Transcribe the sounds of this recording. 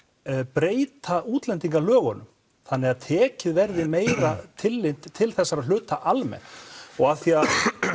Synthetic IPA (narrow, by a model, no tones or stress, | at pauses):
pɾeːjt̪ʰauːt̪lɛnt̪iŋkalœːɣɔnʏm | θanːɪɣaðt̪ʰɛːcɪðvɛɾðɪmeːjɾat̪ʰɪlːɪnt̪ʰːɪlθɛsːaɾaðl̥ʏːt̪aʔalmɛ̰nɔɣaθia